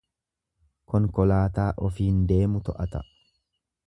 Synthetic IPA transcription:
kɔŋkɔlaːt̪aːʔɔfiːnd̪e̞ːmʊt̪ɔʔɐt̪ɐ

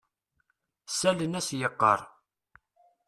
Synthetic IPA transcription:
sælənæsjəqːə̰ɾˤ

